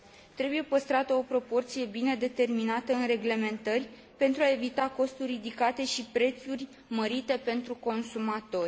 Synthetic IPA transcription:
t̪ɾe̞buje̞pəst̪ɾat̪əo̞pɾo̞po̞rt̪sije̞bine̞d̪e̞t̪e̞rminat̪əɨnre̞ɡle̞me̞nt̪ərʲ | pe̞nt̪ɾuae̞vit̪ako̞st̪urʲːid̪ikat̪e̞ʃipɾe̞t̪surʲ | məɾit̪e̞pe̞nt̪ɾuko̞nsumat̪o̞rʲ

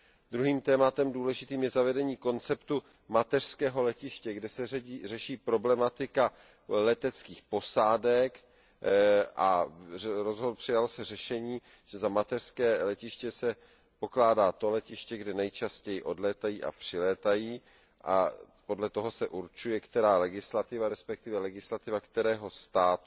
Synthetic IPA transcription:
d̪ɾuɦiːmt̪ɛːmat̪ɛmduːlɛʒɪt̪iːmjɛzavɛdɛɲiːko̞nt͡sɛpt̪u | mat̪ɛr̥skɛːɦo̞lɛcɪʃcɛɡdɛsɛrɛʃiːpɾo̞blɛmat̪ɪka | lɛt̪ɛt͡skiːxpo̞saːdɛk | ʔa̰ | ɾozɦopr̥ɪjalosɛrɛʃɛɲiː | ʒ̥ɛzamat̪ɛr̥skɛːlɛcɪʃcɛsɛ | po̞klaːdaːt̪o̞lɛcɪʃcɛɡdɛnɛjt͡ʃascɛjɪʔo̞dlɛːt̪ajiːʔa̰pr̝̥ɪlɛːt̪ajiː | ʔa̰ | po̞dlɛt̪o̞ɦo̞sɛʔuɾt͡ʃujɛkt̪ɛɾaːlɛɡɪslat̪ɪvaɾɛspɛk̚t̪ɪvɛlɛɡɪslat̪ɪvakt̪ɛɾɛːɦo̞st̪aːt̪

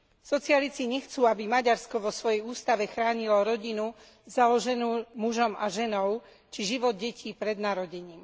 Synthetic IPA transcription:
sɔt͡sɪalit͡siɲɛxt͡suːabimaɟaɾskɔʋɔsʋɔjɛjuːst̪aʋɛxɾaːɲilɔɾɔɟinu | zalɔʒɛnuːmuʒɔmaʒɛnɔʊ | t͡ʃiʒiʋɔd̪̚ɟɛcʰiːpɾɛd̪naɾɔɟɛɲiːm

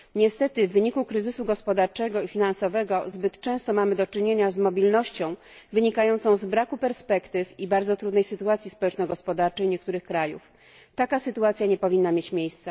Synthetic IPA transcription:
ɲɛst̪ɛt̪ɘvːɘɲikukɾɘzɘsuɡɔspɔd̪aɾt͡ʂɛɡɔifʲinansɔvɛɡɔzbɘt̪t͡ʂɛ̃w̃st̪ɔmamɘd̪ɔt͡ʂɘɲeɲazmɔbʲilnɔɕt͡ɕɔ̃w̃ | vɘɲikajɔnt̪sɔ̃w̃zbɾakupɛɾspɛkt̪ɘfibaɾd̪zɔt̪ɾud̪nɛjsɘt̪uat̪sʲispɔwɛt͡ʂnɔɡɔspɔd̪aɾt͡ʂɛjɲɛk̚t̪uɾɘxkɾajṵf | t̪akasɘt̪uat̪sʲjaɲɛpɔvʲinːamʲjet͡ɕmʲjejst̪sa

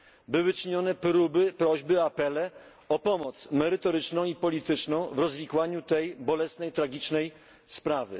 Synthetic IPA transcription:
bɘwɘt͡ʂɘɲɔnɛpɾubɘpɾɔʑbɘapɛlɛ | ɔpɔmɔt̪smɛɾɘt̪ɔɾɘt͡ʂnɔ̃w̃ipɔlʲit̪ɘt͡ʂnɔ̃w̃vɾɔzvʲikwaɲut̪ɛjbɔlɛsnɛjt̪ɾaɡʲit͡ʂnɛj | spɾavɘ̰

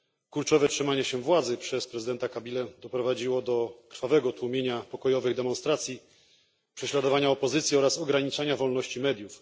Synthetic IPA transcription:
klult͡ʂɔvɛtʂɘmaɲɛɕɛvwad̪zɘpʂɛspɾɛzɘd̪ɛnt̪akabʲilɛd̪ɔpɾɔvad͡ʑiwɔd̪ɔkɾ̥favɛɡɔt̪wumʲjeɲapɔkɔjɔvɘɣd̪ɛmɔ̃nst̪ɾat̪sʲji | pʂɛɕlad̪ɔvaɲaɔpɔzɘt̪sʲjiɔɾasɔɡɾaɲit͡ʂaɲavɔlnɔɕt͡ɕimɛd̪juf

